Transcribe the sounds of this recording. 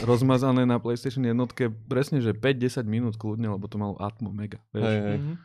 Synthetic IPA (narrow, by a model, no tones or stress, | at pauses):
ɾɔzmazanɛːnaplɛjst̪ɛʃɔnjɛd̪nɔt̪kɛpɾɛsɲɛʒɛpɛɟ̚ɟɛsaɟminuːt̪kludɲɛlɛbɔt̪ɔmalɔ̰ʔa̰t̪mɔmɛɡaʋɪɛʃɦɛ